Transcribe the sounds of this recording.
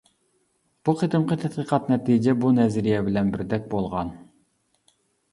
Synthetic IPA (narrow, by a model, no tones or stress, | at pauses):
b̥uqʰet̪ɨmqʰət̪ʰɛt̪̚qʰiqʰɑt̪nɛt̪ʰid͡ʒɛbunɛzɪɾijɛbɪlɛnbɪɾd̪ɛk̚ʲbolˠʁɑn